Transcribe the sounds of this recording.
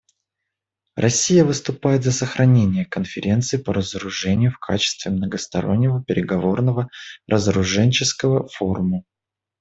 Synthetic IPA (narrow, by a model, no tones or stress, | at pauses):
rʔɐsʲːijəvɨst̪ʊpajɪt̪zəsəxɾʔɐnʲenʲɪjəkənfʲɪɾʲe̞nt̪sɨɪpəɾəzəɾʊʐɛnʲɪjʊfkʰat͡ɕɪ̥st̪vʲɪmnəɡəst̪ɐ̰ɾo̞̰nʲːɪvəpʲɪɾʲɪɡɐvo̞rnəvəɾʔəzəɾʊʐɛnʲt͡ɕɪskəvəfo̞rʊmə